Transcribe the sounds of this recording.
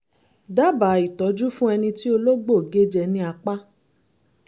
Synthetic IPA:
da˦ba˨˦˨i˨tɔ˨˦d͡ʒu˦fũ˦ɛ˧nĩ˧ti˦o˧lo˦ɡ͡bo˦˨ɡe˨˦d͡ʒɛ˧nĩ˦a˧k͡pa˦

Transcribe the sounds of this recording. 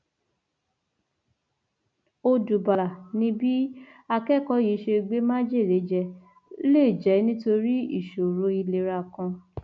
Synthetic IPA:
o˧du˨ba˨la˨nĩ˧˦bi˦ | a˧kɛ˦˨kɔ˨˦ji˨˦ʃe˧ɡ͡be˦mã˦d͡ʒe˦˨ɾe˨˦d͡ʒɛ˧ | le˦˨d͡ʒɛ˨˦nĩ˦to˧ɾi˦ḭ˦˨ʃo˨ɾo˧˦i˧le˧ɾa˧˨kã˧

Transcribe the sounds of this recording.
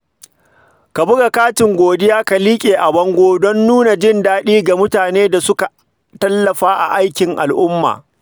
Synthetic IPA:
ka˨bʊ˦ɡa˨kaː˦tɪ˨ŋɡʷoː˨dɪ˦jaː˦ka˨liː˦kʲʼeː˨ʔa˨bɐ˦ŋɡʷoː˦dɔ˦nːuː˦na˨d͡ʒɪ˦ndaː˦ɗiː˦ɡa˨mʊ˦taː˨neː˦da˨sʊ˦ka˨ | tɐ˦lːɐ˨ɸaː˦ʔa̰˨ʔa˦jkʲɪ˨ŋʔa̰˨lʔʊ˦mːa̰ː˨

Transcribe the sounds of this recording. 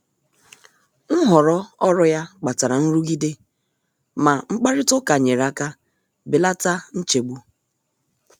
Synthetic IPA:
ŋ̩˦ɦɔ˨ɾɔ˦ɔ˦ɾɔ˦ja˦k͡pa˨ta˨ɾa˨n̩˦ɾu˦ɡi˦de˦ | ma˨ŋ͡m̩˦k͡pa˦ɾɪ˦tʊ˦ka˨ɲe˨ɾa˦ka˦ | bɪ˨la˦ta˦n̩˦t͡ʃe˨ɡ͡bu˦

